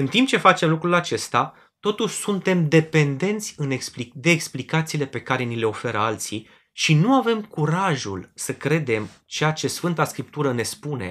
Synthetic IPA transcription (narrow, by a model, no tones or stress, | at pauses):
ɨnt̪imp̚t͡ʃe̞fat͡ʃe̞mlukɾulat͡ʃe̞st̪a | t̪o̞t̪uʃʲsunt̪e̞md̪e̞pe̞nd̪e̞nt̪sʲɨneksplid̪e̞ːksplikat̪siːle̞pe̞kaɾe̞nile̞o̞fe̞ɾəalt̪si | ʃinuave̞mkuɾaʒṵlsəkɾe̞d̪e̞m | t͡ʃeat͡ʃe̞sfɨnt̪askɾip̚t̪uɾəne̞spune̞̰